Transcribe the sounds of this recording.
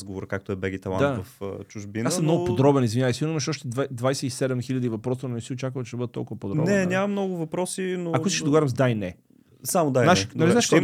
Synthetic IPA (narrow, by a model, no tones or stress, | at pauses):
zɡovoɾəkak̚t̪oɛbɛɡʲit̪ɛlˠa̰d̪avɐft͡ʃuʒbinasəmnɔɡʊpod̪ɾɔbɛnizvinʲavəsiniməʃɔʃt̪ɛvad̪vajsɛisɛd̪ɛmxiʎʲəd̪ivɐpɾɔst̪ɐnonɛsiot͡ʃakət͡ʃɛd̪bɤd̪ət̪ːɔ̰lˠkʊvəpod̪ɔnɛɲʲamɐmnɔɡʊvɐpɾɔsinoakoiskːʃd̪ɐɡovaɾɐmzd̪ajnɛ | samod̪ajnaʃʃnaliaʃk